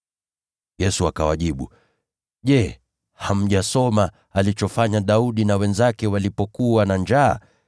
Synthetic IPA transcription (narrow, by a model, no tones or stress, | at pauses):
jɛsuakawaʄiɓu | ʄɛ | ham̩ʄasɔma | alit͡ʃɔfaɲaɗauɗinawɛnzakɛwalipɔkuwanand͡ʒa̰ː